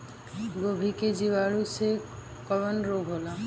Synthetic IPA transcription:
ɡobʱiked͡ʒiwaɭuse | kɔbɔnɾoɡʱɦola

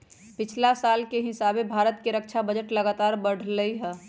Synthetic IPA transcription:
pɪt͡ʃʰlasaːlkeɦɪsaːbebʱaːɾət̪keɾək̚t͡ʃʰabəd͡ʒəʈləɡaːt̪aːɾbəɽ̤ləiɦɛː

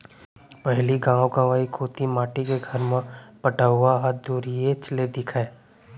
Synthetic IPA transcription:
pɐɦliɡãːõkãʋaːikʰoːt̪imaːʈikeɡʱɐɾmə̃pɐʈaːʋaɦat̪d̪uːɾijet͡ʃled̪ɪkʰae

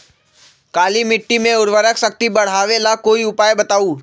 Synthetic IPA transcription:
kaːlimɪʈːimẽʊɾʋəɾəksɐkt̪ibɐɽ̤aːʋelakoːiʊpaːjbɐt̪aːuː

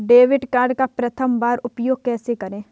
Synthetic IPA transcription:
ɖeːʋɪɖkaːɾɖkapɾɐt̪ʰəmbaːɾʊpjoːɡ̚kɛːsekɐɾẽː

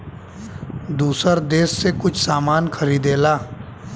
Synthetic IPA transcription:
d̪uːsəɾd̪eːsːekʊt͡ʃʰsaːmaːnkʰɐɾiːd̪eːlaː

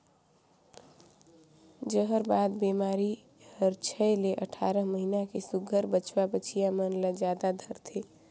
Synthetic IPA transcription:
d͡ʒəɦəɾbad̪bemaɾi | həɾt͡ʃʰəleʔəʈʰaɾəɦməɦinakesuɡʱəɾbət͡ʃwabət͡ʃʰijamənləd͡ʒjad̪ad̪ʱəɾt̪ʰe

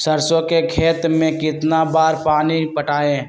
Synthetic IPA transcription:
səɾsõkekʰeːt̪mẽkɪt̪nabaːɾpaːnipəʈaːẽ

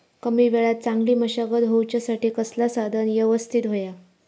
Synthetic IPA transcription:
kəmiːʋeɭat̪̚t͡sãŋɡliːməɕaɡəd̪ɦowt͡ɕjasaʈiːkəslasad̪ʱənjeʋəst̪ʰit̪ɦoja

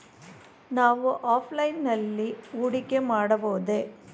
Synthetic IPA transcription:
naːʋuʔaːpʰlɐjɪnɐlːiuɽɪkːemaːɽɐboːðeː

